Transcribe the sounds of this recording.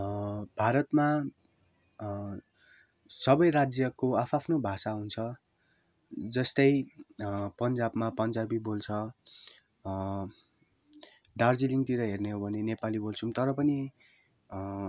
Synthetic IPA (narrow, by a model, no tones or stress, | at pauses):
bʱaɾʌt̪ma | sʌbʌjrad͡zjʌkoapʰapʰnobʱasaɦunt͡sʰʌ | d͡zʌst̪ʌj | pʌnd͡zabmapʌnd͡zabibolt͡sʰʌ | ɖard͡ziliŋt̪iɾʌɦerneɦobʱʌnenepalibolt͡sʰumt̪ʌɾʌpʌni